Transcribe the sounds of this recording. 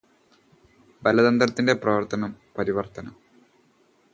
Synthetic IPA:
bɐlɐd̪ɐnd̪rɐt̪ːinde̞prɐʋɐrt̪ɐnɐmpɐɾiʋɐrt̪ɐnɐm

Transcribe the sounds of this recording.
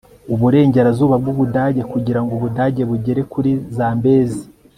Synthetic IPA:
uβuɾe̞ːɲɟe̞ɾazuːβabɡuβudaːɟekuɟiɾaŋɡoβudaːɟe̞βuɟeɾe̞kuɾizaːmbe̞ːzi

